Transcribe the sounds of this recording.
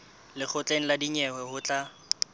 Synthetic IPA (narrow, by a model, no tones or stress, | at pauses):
lɪk͡xʰʊt͡ɬʼen̩ladiɲɛwɛhʊt͡ɬʼa